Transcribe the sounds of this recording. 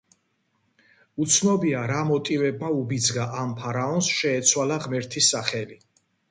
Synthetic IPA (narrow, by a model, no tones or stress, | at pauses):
ut̪sʰnɔbiaɾamɔt̪ʼivɛbmaubid̪zɡaʔampʰaɾaɔnsʃɛːt̪sʰwalaʁmɛɾt̪ʰisaχɛli